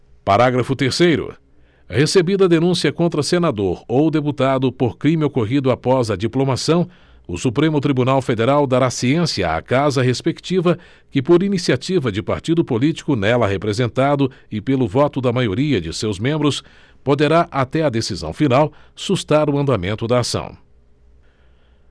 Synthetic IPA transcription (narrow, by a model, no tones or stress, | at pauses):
paɾaɡɾɐfʊt̪eɾsejɾʊ̰ | hesebid̪ɐd̪enũsiɐkõnt̪ɾɐsenad̪oɾowd̪ep̬ut̪ad̪ʊpoɾkɾĩmɪokoɦid̪ʊapɔzɐd͡ʒiplomasɐ̃w̃ | ʊsupɾẽmʊt̪ɾibunawfed̪eɾawd̪aɾasiẽsiɐa̰kazɐɦespekt͡ʃivɐ | kɪpoɾinisiat͡ʃivɐd͡ʒɪpa̰ɾt͡ʃid̪ʊpolit͡ʃi̥kʊnɛlɐɦepɾezẽnt̪ad̪ʊ | ɪpelʊvɔt̪ʊd̪ɐmajoɾiɐd͡ʒɪsewzmẽmbɾʊs | pod̪eɾaʔat̪ɛɐd̪esizɐ̰̃w̃finawsust̪aɾʊɐ̃nd̪amẽnt̪ʊd̪ɐːsɐ̰̃w̃